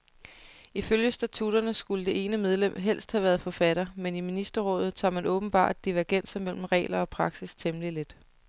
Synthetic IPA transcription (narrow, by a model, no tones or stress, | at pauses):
iføljəsd̥æt͡sʰud̥ɐnəsɡ̥uləd̥e̝e̝ːnəmeð̞ˠlem̰ɦel̰sd̥hæʋæɐð̞̩ˠfɒ̽fæɾ̥ɐmeniminisd̥ɐʁɔ̽ːð̞ˠð̩ˠt͡sʰɑ̈ːmænʔɔ̽ːb̥n̩b̥ɑ̰̈ːd̥̚d̥iʋæɐɡ̥en̰sɐmel̰m̩ʁɛ̰ːlɐɒ̽pʰʁɑ̈ɡ̥sist͡sʰemlile̝d̥